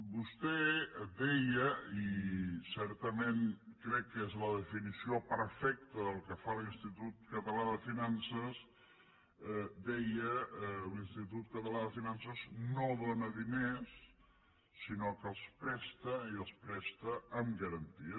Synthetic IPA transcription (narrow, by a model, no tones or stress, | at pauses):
bust̪ɛd̪ɛjəisɛɾt̪əmenkɾɛkːezləðəfinisiopəɾfɛk̚t̪əðəlˠkəfalinst̪it̪ut̪̚kət̪əlaðəfinansəs | d̪ɛjəlinst̪it̪ut̪kət̪əlaðəfinansəznoðonəðinesː | inokəəspɾɛst̪əiəlˠspɾɛst̪əəmɡəɾənt̪iə